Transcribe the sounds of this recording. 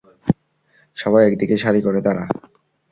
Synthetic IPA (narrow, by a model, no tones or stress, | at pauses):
ʃɔbajɛkd̪ikeʃaɾikoɾet̪aɾa̰